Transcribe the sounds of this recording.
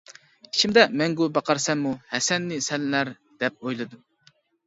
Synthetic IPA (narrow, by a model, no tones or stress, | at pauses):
i̥t͡ʃʰimd̪ɛmɛŋɡubɑqʰɑɾsɛmːuhɛsɛnːɪsɛllæɾ | d̪̥ɛp̚ojlˠɨd̪u